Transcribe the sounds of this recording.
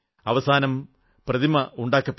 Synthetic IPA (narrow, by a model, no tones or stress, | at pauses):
ɐʋɐsaːnɐm | prɐðimɐuɳɖaːkːɐpː